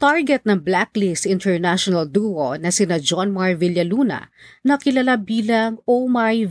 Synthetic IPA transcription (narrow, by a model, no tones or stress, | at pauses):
t̪aɹɡɛt̪̚nɐŋblaklist̪ɪnt̪ɛɹnaʃonɐld̪uonɐsɪnad͡ʒɔnmaɹvɪljɐluːnɐ̰nɐkɪlɐlabiːlɐŋomaj